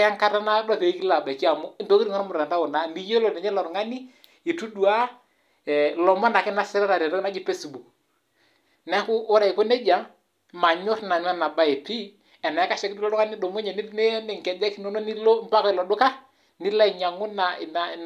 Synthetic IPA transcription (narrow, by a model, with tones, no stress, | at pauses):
ja˦ŋka˦ta˦na˦da˦˨pe˨˦ki˦la˨ba˨ki˦a˨mɔ˦nto˦ki˦ɾi˨ŋɔ˦n˦mʊ˨ɾa˨nta˦ʊ˨na˨˦ni˦jo˦lɔ˨nɛ˨ɲɛ˦lɔ˨ɾŋa˦ni˦ | i˨tu˦du˨a˦˨ | lɔ˨mɔ˦na˨kɪ˦na˦sɪ˦ɾa˦ɾa˨ɾɛ˨ɾɔ˦na˦d͡ʒɪ˨pe˦sbu˨k̚ | nɛ˦kʊ˦ʔːɾa˨i˨ko˦ne˦d͡ʒa˨˦ | ma˨ɲʊ˦tna˨n˦a˦na˨ba˦ɪ˨pi˦ | ɛ˨na˨a˦ka˨ʃɛ˦ki˦tu˦lɔ˦dʊ˦ka˦nɪ˦dɔ˨mʊ˦ɲɛ˨nɪ˦ne˦mɛ˨ŋkɛ˨dɛ˦knɔ˦nɔ˦ni˦lo˦m˦pa˦ka˦˨lɔ˨dʊ˦ka˦ | nɪ˦la˦i˨ɲa˨ŋʊ˦na˨na˨